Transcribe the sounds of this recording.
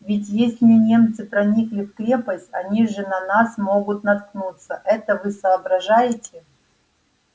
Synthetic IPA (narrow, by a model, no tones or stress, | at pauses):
vʲɪt̬ʲjesʲlʲɪmʲɪnʲe̞mt̪sɨpɾɐnʲiklʲɪfkɾʲe̞pəsʲtʲɐnʲiʐɨnɐnasmo̞ɡʊt̪nɐt̪̚knut̪səʔɛt̪əvɨsɐːbɾɐʐajɪtʲɪ